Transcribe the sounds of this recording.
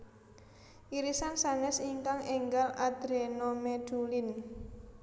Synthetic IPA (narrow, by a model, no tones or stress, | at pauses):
ʔiɾisansanɛsiŋkaŋɛŋɡalʔad̪̥ɾenomeɖ̪̥ulin